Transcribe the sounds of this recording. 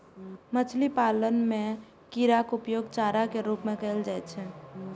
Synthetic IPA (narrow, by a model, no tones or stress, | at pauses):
mət͡ʃʰlipaːlənmẽ | kiɾakʊpjoːɡt͡ʃaːɾakeɾuːpmẽkəld͡ʒaɛt͡ʃʰɛ